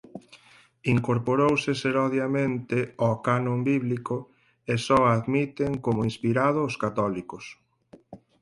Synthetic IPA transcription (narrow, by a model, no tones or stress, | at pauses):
iŋkoɾpoɾowseseɾɔðjamẽnt̪ɪɔkanõmbiβliko | esɔaðmit̪eŋkomʊĩnspiɾað̞oːskat̪ɔlikos